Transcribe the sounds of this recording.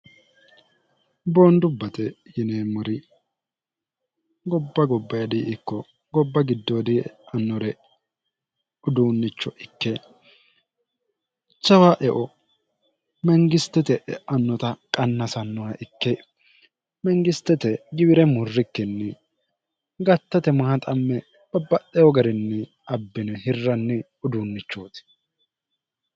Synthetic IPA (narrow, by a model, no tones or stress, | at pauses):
boːnd̪ʊbːɐt̪ɛ | jɪneːmʊɾɪ | ɡɔbːɐɡɔbːɐjɐd̪ɪɪkːɔ | ɡɔbːɐɡɪd̪ːoːd̪ɪɐnːɔɾɛ | ʊd̪uːnːɪt͡ʃːɔʔɪkːe | t͡ʃːɐwaːʔɛʔɔ | mɛŋɡɪst̪ːɛt̪ɛʔɐnːɔt̪ɐkʼɐnːɐsɐnːɔwɐʔɪkːɛ | mɛŋɡɪst̪ːɛt̪ɛɡɪbɪɾɛmʊrːɪkːɛnːɛ | ɡɐt̪ːɐt̪ɛmɐhɐt̪ʼɐmːɛ | b̥ɐbːɐtːɛjɔɡɐɾɪnːɛ | ɐbːɪnɛhɪrːɐnːɛ | ʊd̪uːnːɪt͡ʃːoːt̪ɪ̥